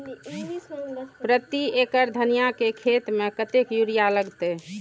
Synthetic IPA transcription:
pɾət̪iekəɾd̪ʱənijakekʰet̪mekət̪ekjuɾijaləɡt̪e

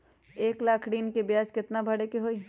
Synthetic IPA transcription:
eːklaːkʰɽiːnkebjaːskɪt̪nabʱɐɽekeɦoːi

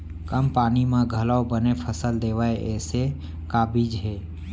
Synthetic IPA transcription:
kəmpaːnimãɡʱəlaobənepʰəsəld̪eːʋaeʔɛːse | kaːbid͡ʒɦɛː

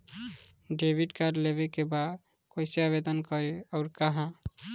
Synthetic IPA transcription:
ɖebʱiɖkaɖlebekeba | kojseaβed̪ənkɔɾeɔʊɾkaɦã

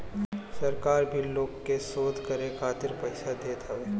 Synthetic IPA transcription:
sɐɾkaːɾbʱiloːɡkesoːd̪ʱkɐɾekʰaːt̪ɪɾpɐɪsad̪eːt̪ɐʋeː

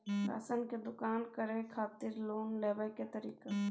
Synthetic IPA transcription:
ɾa̰ːsənked̪ʊkaːnkəɾẽkʰaːt̪ɪɾloːnleːʋəjket̪əɾiːke

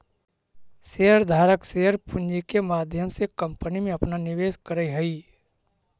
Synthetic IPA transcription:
seːəɾd̪ʱaːɾəksejəɾpʊnd͡ʒikemaːd̪ʱjəmsekɐ̃mpənimẽɐpnanɪʋeːskəɾəiɦɐiː

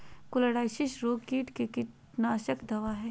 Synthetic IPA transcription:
kʊlɐɽaːjʃɪʃɾoːkiːʈkekɪʈ | naːʃəkd̪ɐʋaːɦɛː

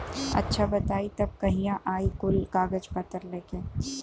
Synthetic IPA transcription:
ɐ̰tːʃʰabɐt̪aːit̪ɐb̚kɐɦijãʔaːikʊlkaːɡəd͡ʒpɐt̪əɾleːkẽː

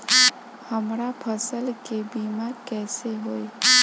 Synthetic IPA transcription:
həmɾapʰəsəlkebimãkɛseɦoj

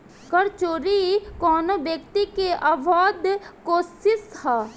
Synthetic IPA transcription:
kəɾt͡ʃoːɾikɔːnobjəkt̪ikeʔabʱaːd̪koːsɪshɛː

